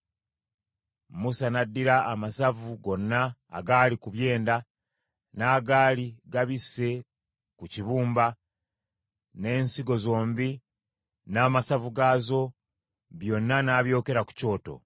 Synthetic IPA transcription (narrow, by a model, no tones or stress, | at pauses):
musanadːiɾaːmasavuɡo̞nːa̰ːɡaːlikuβje̞ːnda | naːɡaːliɡaβise̞ | kuciβuːmba | ne̞ːnsiɡo̞zo̞ːmbi | naːmasavuɡaːzo̞ | βjo̞nːanaːβjo̞ːke̞ɾaku̥co̞ːto̞̰